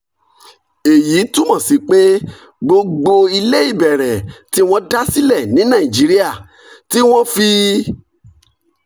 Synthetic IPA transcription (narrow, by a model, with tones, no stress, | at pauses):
e˨ji˨˦tũ˦mɔ̃˦˨si˨˦k͡pe˦ | ɡ͡bo˧ɡ͡bo˧i˧le˦i˦˨bɛ˨ɾɛ˨ti˦w̃ɔ̃˦da˦si˦lɛ˦˨nĩ˨˦nã˦˨ĩ˨d͡ʒi˨˦ɾi˦a˦˨ | ti˦w̃ɔ̃˦fi˧